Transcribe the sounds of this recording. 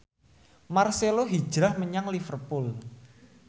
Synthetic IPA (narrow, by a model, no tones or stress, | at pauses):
marseloɦi̥ʒ̥ɾahməɲaŋlifərpʊl